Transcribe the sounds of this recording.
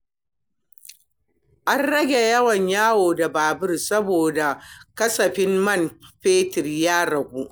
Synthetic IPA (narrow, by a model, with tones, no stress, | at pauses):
ʔa˦nɽɐ˦ɡʲe˨jɐ˦wɐ˨ɲjaː˦woː˨da˨baː˨bɪ˦rsɐ˦boː˨da˨kɐ˦sɐ˨ɸɪ˦mmɐ˦˨nɸeː˦tɪ˨rjaː˦ɽɐ˨ɡʷu˦ʔ